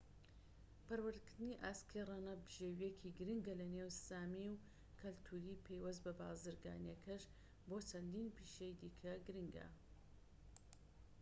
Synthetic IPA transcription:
pɐɾwɨɾd̪kɨɾd̪ɨniʔaːskʰerˤɑnɐbɨʒewijekʰiɡɨɾɨŋɡɐlɐnewsaːmiw | kʰɐlt̪ʰuːɾiːpʰejwɐzbɐba̰ːzɨɾɡa̰ːnjɐkʰɐʃ | boːt͡ʃʰɐnd̪iːnpiːʃejd̪iːkʰɐɡɨɾɨŋɡɐ̰

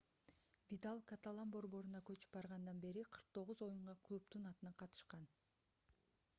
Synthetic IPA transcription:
vʲit̪alˠkat̪alˠambo̞ɾbo̞ɾunɑkø̞t͡ʃy̥pbɑɾʁɑnd̪ɑnbe̞ɾiqʰɯɾq̚t̪ʰo̞ʁuzo̞juɴʁɑklˠupt̪unɑt̪ɯnɑqʰɑt̪ɯ̥ʃqɑn

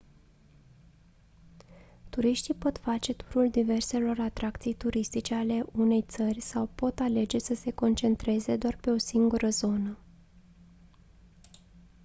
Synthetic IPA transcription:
t̪uɾiʃt̪ipo̞t̪fat͡ʃe̞t̪u̥ɾuld̪ive̞rse̞lo̞ɾat̪ɾakt̪sijt̪uɾist̪it͡ʃe̞ale̞ʔune̞jt̪sərʲsawpo̞t̪ale̞d͡ʒe̞səse̞ko̞nt͡ʃe̞nt̪ɾe̞ze̞d̪oarpe̞o̞siŋɡuɾəzo̞nə

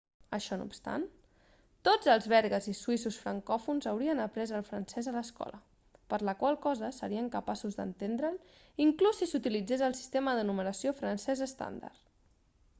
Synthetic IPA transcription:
əʃɔnṵpst̪a̰n | t̪od͡zəlˠzβɛɾɣəzisuisusfɾəŋkɔfunzəwɾiənəpɾɛzəlˠfɾənsɛzələskɔ̰lə̰ | pəɾləkwalˠkɔzəsəɾiəŋkəpasuzd̪ə̰nt̪end̪ɾəl | iŋklusːisut̪ilid͡zezəlˠsi̥st̪eməðənumənəsiofɾənsɛzəst̪a̰nd̪a̰ɾt̪

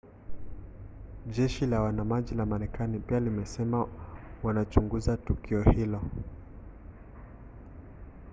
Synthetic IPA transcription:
ʄɛʃilawanamaʄilamaɾɛkanipialimɛsɛmawanat͡ʃuŋɡuzatukiɔhilɔ

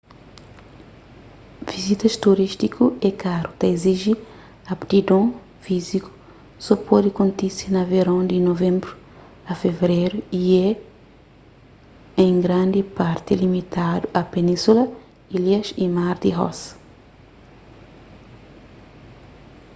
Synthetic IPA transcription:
vizit̪ɐʃt̪uɾiʃt̪ikʰuɛkaɾut̪ɐeziʒi | ɐpt̪id̪õ | fiziku̥ | sopɔd̪ikõnt̪isinɐveɾɐ̃nd̪inovẽmbɾu | ɐfevɾeɾuiɛ | ẽŋɡɾãnd̪ipaɾt̪ilimit̪ad̪uʔɐpenĩsulɐ | iljɐʃimaɾd̪iɦɔ̰s

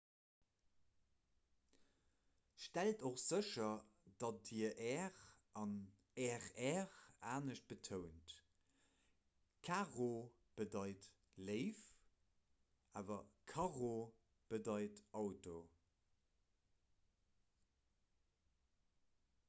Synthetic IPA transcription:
ʃtæltoχz̥əʃɐd̥ɑt̚d̥iəʔɛʁʔɑn | ɛʁɛʁaːnəɕt̚b̥ətʰəʊnt | kʰaːʁo | b̥ədɑɪt | ləɪf | aːvɐkʰɑʁo | b̥ədɑɪtɑʊto

